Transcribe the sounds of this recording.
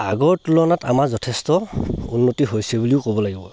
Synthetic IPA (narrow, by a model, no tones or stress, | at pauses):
a̰ɡɔɹtulɔnatamaɹzɔtʰɛstɔunːotiɦojsɛbuliʊkobɔlaɡibɔ̰